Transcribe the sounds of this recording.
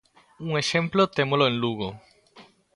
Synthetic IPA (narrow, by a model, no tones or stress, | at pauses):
uŋeʃẽmplot̪emoloẽnluɣo